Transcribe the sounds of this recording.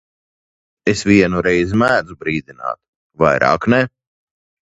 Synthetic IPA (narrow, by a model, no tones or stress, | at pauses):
esvʲiɛnuɾɛjzmæːd̪zubɾiːd̪ina̰ːt̪ | va̰jɾa̰ːknɛ